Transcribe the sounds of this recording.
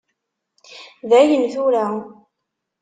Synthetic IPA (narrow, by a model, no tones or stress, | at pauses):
ðæjənθuɾæ